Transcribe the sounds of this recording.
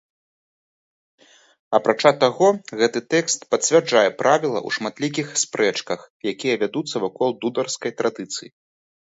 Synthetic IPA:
ɐpɾat͡ʂat̪aɣɔɣɛt̪ɨt̪ɛkst̪pɐt̪t͡sʲvʲard͡ʐajɛpɾʔavʲilˠɐ̰ʔṵʂmat̪lʲik̬ʲixspɾʔɛt͡ʂkɐxjakʲijɐvʲad̪ut̪sːɐvakɔlˠd̪ud̪ɐrskɐjt̪ɾad̪ɨt̪sɨji

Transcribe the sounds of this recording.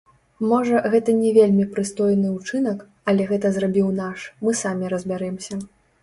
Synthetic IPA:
mɔʐɐɣɛt̪ɐnʲɛvʲelʲmʲipɾɨst̪ɔjnɨut͡ʂɨnɐk | ɐlʲɛɣɛt̪ɐzrabʲiwnaʂmɨsamʲiɾɐzʲbʲaɾɛmsʲɐ

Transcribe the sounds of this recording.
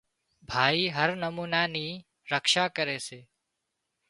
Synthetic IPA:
bʱaːiːɦəɾnəmuːnaːniː | ɾəkʃaːkəɾeːseː

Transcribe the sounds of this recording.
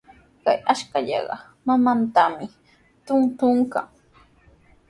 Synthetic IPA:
kajaʃkaʎɑ̰ɢɑ | mamant̪amɪ | t̪ʊŋt̪ʊŋka̰ŋ

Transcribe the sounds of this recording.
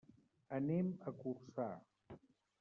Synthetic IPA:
əneməkursa

